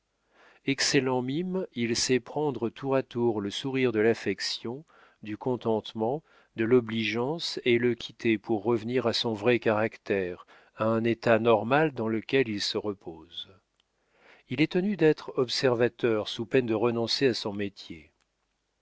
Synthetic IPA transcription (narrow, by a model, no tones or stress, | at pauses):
ɛkselɑ̃mimilsɛpχɑ̃d̪ʁət̪ʰuʁat̪uʁləsuʁiʁd̪əlafɛksjɔ̃ | d̪ykɔ̃t̪ɑ̃t̪mɑ̃ | d̪əlɔbliʒɑ̃seləkʲʰit̪epuʁːəvniʁasɔ̃vʁɛkaʁakt̪ɛʁ | aɛ̃net̪anɔʁmald̪ɑ̃ləkʲɛlilsəʁəpʰoːz | ilɛt̪ənyd̪ɛt̪χɔpsɛʁvat̪œʁsupɛnd̪əʁənɔ̃seasɔ̃met̪je